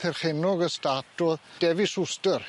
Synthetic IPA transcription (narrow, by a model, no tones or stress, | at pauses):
θɛrχɛnɔɡəstatɔðd̥ɛvɪsʊstər